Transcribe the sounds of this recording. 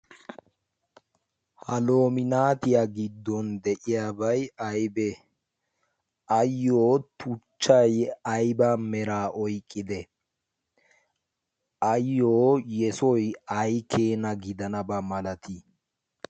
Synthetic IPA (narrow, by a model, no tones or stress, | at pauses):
hɐloːmɪnaːt̪ɪjaɡɪd̪ːɔnd̪ɛʔɪjaːbɐjɐjbɛ | ʔɐjːoːt̪ʊt͡ʃːɐjɐjbamɛɾaːʔɔjkʼːɪd̪ɛ | ʔɐjːoːjɛsɔjɐjkʰeːnɐɡɪd̪ɐnɐbɐmɐlɐt̪ʰi